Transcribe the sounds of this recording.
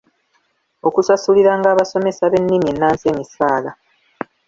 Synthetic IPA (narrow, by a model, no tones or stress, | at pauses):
o̞kusasuliɾaːŋɡaːβaso̞me̞saβe̞nːimie̞nːaːnse̞ːmisaːla